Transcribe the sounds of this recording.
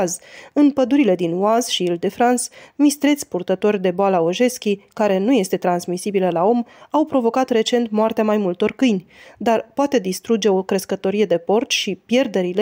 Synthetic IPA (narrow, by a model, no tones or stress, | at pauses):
zɨnpəd̪uɾile̞d̪inwazʃiild̪e̞fɾansmist̪ɾe̞t̪sʲpurt̪ət̪o̞rʲd̪e̞boalaoʒe̞skʲikaɾe̞nuje̞st̪e̞t̪ɾansmisibiləlao̞mawpɾo̞vo̞kat̪re̞t͡ʃe̞nt̪moart̪eamajmult̪o̞rkɨjnʲd̪arpoat̪e̞d̪ist̪ɾud͡ʒe̞o̞kɾeskət̪o̞ɾije̞d̪e̞po̞rt͡ʃʃipje̞rd̪e̞ɾile